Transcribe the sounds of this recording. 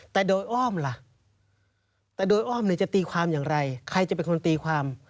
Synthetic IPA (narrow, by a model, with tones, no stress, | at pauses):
t̪ɛː˨˩doː˧jʔɔː˥˩mla˨˧˩ʔ | t̪ɛː˨˩doː˧jʔɔː˥˩mniː˧˩t͡ɕa˨˩t̪iː˧kʰwaː˧mjaː˨˩ŋɾa˧jkʰa˧jt͡ɕa˨˩pe˧nkʰo˧nt̪iː˧kʰaː˧m